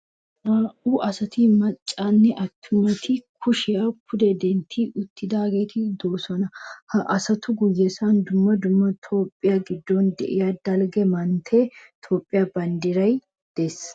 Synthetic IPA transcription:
aːʔʊʔɐsɐt̪ɪmɐt͡ʃʼːanːɛʔɐt̪ʰːʊmɐt̪ʰɪkʰʊʃɪakʰʊd̪ɛd̪ɛnt̪ʰiʊt̪ːɪd̪aːɡe̞ːt̪ɪd̪oːsɔnɐhɐʔɐsɐt̪ʊɡʊjːɛsand̪ʊmːɐd̪ʊmːɐt̪ʰo̞ːpʼːɪjaɡɪd̪ːɔnd̪ɛ̰ʔɪjad̪ɐlɡɛmɐnt̪ʰeːt̪ʰo̞ːpʼːɪjabɐnd̪ɪɾɐj | d̪̥es

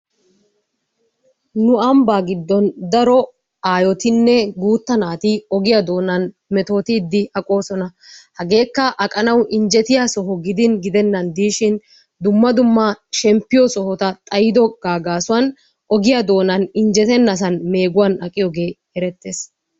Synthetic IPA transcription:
nʊɐmbaːɡɪd̪ːɔnd̪ɐɾɔ | aːjɔt̪ɪnːɛɡuːt̪ːɐnaːt̪ɪɔɡɪjad̪o̞ːnɐn | mɛt̪o̞ːt̪ɪːd̪ːɪʔɐkʼo̞ːsɔnɐhɐɡe̞ːkːɐʔɐkʼɐnɐwʔɪɲd͡ʒɛt̪ɪjaːsɔɦɔɡɪd̪ɪnɡɪd̪ɛnːɐnd̪iːʃɪn | d̪ʊmːɐd̪ʊmːɐʃɛmpːɪjɔsɔhɔt̪ɐt̪ʼɐjɪd̪ɔɡ̥aːɡaːsʊwɐn | ɔɡɪjad̪o̞ːnɐnɪnd͡ʒɛt̪ɛnːɐsɐnme̞ːɡʊwɐnɐkʼːɪjɔɡe̞ː | ɛɾɛt̪ːeːs

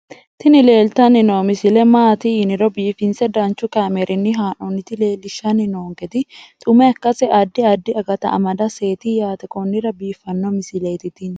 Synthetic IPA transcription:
t̪ɪnɪle̞ːlt̪ɐnːɪnoːmɪsɪlɛmaːt̪iɪnɪɾɔbiːfɪnsɛd̪ɐnt͡ʃːʊkaːmɛɾʔɪnːɪɦaːnɔnːɪt̪ɪle̞ːlːɪʃːɐnːɪnoːŋkɛt̪ɪt̪ʼʊmɛɐkːɐsɛʔɐd̪ːɪɐd̪ːɪɐɡɐt̪ɐ̰ɐ̰mɐd̪ɐse̞ːt̪ijaːt̪ɛkɔnːɪɾɐbiːfːɐnːɔmɪsɪlɛt̪ɪt̪ɪn

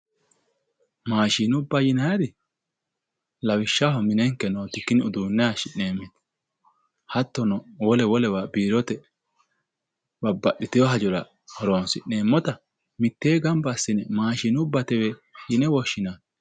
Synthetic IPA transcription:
maːʃiːnʊbːɐjɪnɐjd̪ɪ | lɐwɪʃːahɔmɪnɛŋkːɛnoːt̪ɪkːɪnɪʊd̪uːnːɛaːʃɪneːmːɛt̪ | hɐt̪ːɔnɔwɔlɛwɔlɛwabiːɾɔt̪ɛ | bɐbːɐɗːɪt̪ɪjɔɦɐd͡ʒɔɾɐ | hɔɾoːnsɪne̞ːmːɔt̪ɐ | mɪt̪ːeːɡɐmbɐsːɪnɛmaːʃiːnʊbːɐt̪ɛwɛjɪnɛwɔʃːɪna

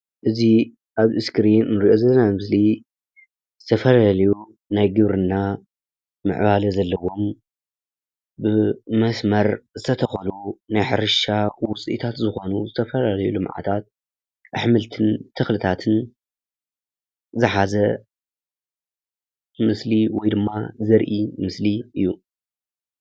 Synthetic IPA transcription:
ʔɨzi | ʔaβʔɨskɾinːɨɾiʔo̞zɐlɐnajmɨsli | zɨt̪ʰɐfɐlalɐju | najɡɨβɾɨnːa | mɨ̰ʕβalɐzɐlːɐwo̞m | bɨmɐsmɐɾzɨt̪ʰɐt̪ʰɐxɐlunajħɨɾɨʃawʊt͡sʼiʔḭt̪ʰat̪zɨxo̞nuzɨt̪ʰɐfɐlalɐjulɨmʕa̰t̪ʰat̪̚ | ʔɨ̰ħmɨlt̪ʰɨnt̪ʰɨxlɨt̪ʰat̪ʰɨn | zɨħazɐ | mɨsliwɔjd̪ɨmːazɐɾʔimɨsliʔɨjːu

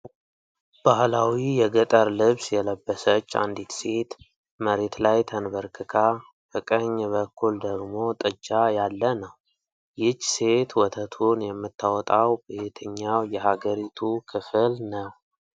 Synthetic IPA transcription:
b̥ahlawijɛɡət̪ʼəɾlɨβsjɛləbːəsət͡ʃːa̰nd̪it̪se̞t̪ | məɾe̞t̪lajt̪ʰənbəɾkʰɨkʰa | fəkʼəɲːβəkʰːuld̪əɡmo̞t̪ʼɨd͡ʒːajalːənəw | jɪt͡ʃːse̞t̪wɔt̪ʰət̪ʰunjɛmːɨt̪ːawɔt̪ʼawbet̪ʰɨɲːawjɛhaɡəɾit̪ʰukʰɨfɨlnəw

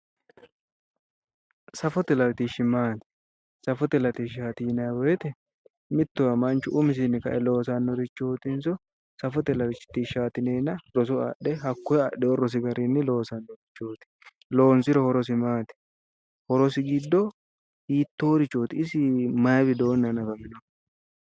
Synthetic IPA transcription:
sɐfɔt̪ɛlɐɾt̪iʃɪmaːt̪ɪ̥ | sɐfɔt̪ɛlɐt̪iʃ̬hɐt̪iːnɐwɔjɛt̪ɛ | mɪt̪ːɔwɐmɐnt͡ʃʊʔʊmɪs̬ɪnːɪkɐ̰ʔɛlo̞ːs̬ɐnːɔd̪ɪt͡ʃːoːt̪ɪns̬ɔ | sɐfɔt̪ɛlɐɾɪt͡ʃːɪ̥t̪ːiʃaːt̪ɪneːnɐɾɔs̬ɔa̰ɗɛhɐkːɔɛɐɗɛɔɾɔs̬ɪɡɐɾinːɪlo̞ːsɐnːɔd̪ɪt͡ʃːoːt̪ɪ̥ | lo̞ːnsɪɾɔhɔɾɔs̬ɪmaːt̪ɪ̥ | hɔɾɔsɪɡɪd̪ːɔ | hiːt̪ːoːd̪ɪt͡ʃːoːt̪ɪɪsɪmɐbɪd̪o̞ːnːɐnɐfɐmɪnɔ

